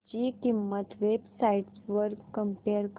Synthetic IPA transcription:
t͡ɕikimːət̪ʋebsaiʈsʋəɾkəmpeɾk

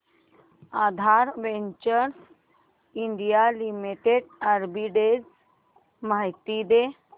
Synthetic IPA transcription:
ad̪ʱaɾʋeɲt͡ʃəɾs | iɳɖijalimiʈeɖəɾbiɖed͡z | majt̪id̪e

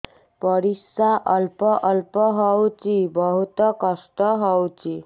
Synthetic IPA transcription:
pʌɾisaʔʌlpɔʔʌlpɔɦʌwt͡sibʌɦut̪ɔkʌsʈ̪ɔɦɔwt͡si

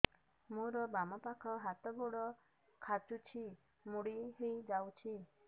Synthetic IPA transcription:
muɾɔbamɔpakʰɔɦat̪ɔbɔɽɔ | kʰat͡ʃut͡ʃʰi | muɽiɦejd͡ʒawt͡ʃʰi

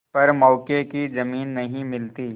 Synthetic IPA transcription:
pɐɾmɔːkekizɐmiːnːɐɦĩmɪlt̪iː

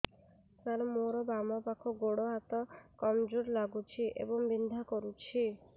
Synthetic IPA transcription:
t̪aɾɔmoɾɔbamɔpakʰɔɡoɽoɦat̪ɔkɔmd͡ʒuɾlaɡut͡ʃʰiʔḛbɔŋbind̪ʱakɔɾut͡ʃʰi

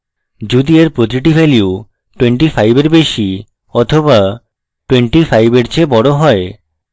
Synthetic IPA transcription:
d͡ʑud̪ieɾpɾot̪̬ɾiʈ̬ibʱɛlju | ʈweɳʈifajbeɾbeʃi | ɔt̪ʰoba | ʈweɳʈifajbeɾt͡ɕʰebɔɽoɦɔe

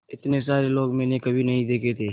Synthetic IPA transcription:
ɪt̪nes̬aːɾeloːɡmɛ̃ːnekɐbʱinɐɦĩd̪eːkʰet̪ʰeː

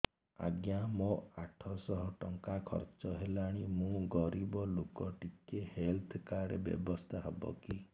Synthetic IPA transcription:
a̰ɡjamoaʈʰɔsɔɦɔʈɔŋkakʰɔ̰ɾt͡ʃɔɦelaɽ̃imũɡɔɾibɔlokɔʈikehelt̪ʰkaɽebjɔ̰bɔst̪ʰaɦebɔ̰ki

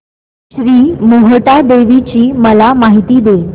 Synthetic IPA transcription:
ɕɾiːmoɦəʈad̪eʋit͡ɕiːməlamaɦit̪iːd̪e

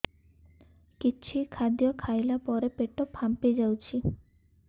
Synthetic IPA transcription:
kit͡ʃʰikʰad̪jɔkʰajlapɔɾepeʈɔpʰamped͡ʒawt͡ʃʰi

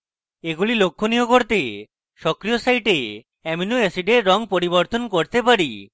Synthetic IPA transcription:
eɡulilokʰːoniokoɾt̪e | ʃɔkɾijosaiʈe | ɛminuesiɖeɾːɔŋpoɾiboɾt̪onkoɾt̪epaɾi

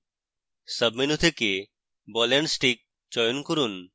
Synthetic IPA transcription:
səbminut̪ʰeke | bɔlensʈik̚ | t͡ɕɔjonkoɾun

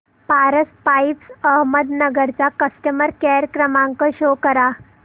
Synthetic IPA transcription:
paɾəspajipsəɦməd̪nəɡəɾt͡sakəsʈəməɾkɛɾkɾəmaŋkəɕokəɾa

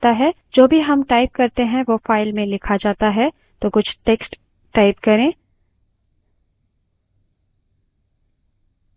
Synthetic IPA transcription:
t̪aɦɛ | d͡ʒoːbʱiɦɐmʈaːɪp̚kɐɾt̪eɦɛ̃ʋofaːɪlmẽlɪkʰad͡ʒaːt̪aɦɛ | t̪okʊt͡ʃʰʈeːksʈ | ʈaːɪpkɐɾẽː

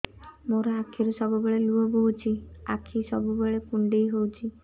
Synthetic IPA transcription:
moɾɔakʰiɾusɔbubeɭeluɔbowt͡ʃʰia̰kʰisɔbubeɭepuɳɖejɦowt͡ʃʰi

